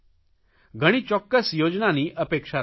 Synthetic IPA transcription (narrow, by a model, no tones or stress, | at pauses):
ɡʱəɽ̃iːt͡ɕɔkːəsjod͡ʑnaniːʔəpekʂa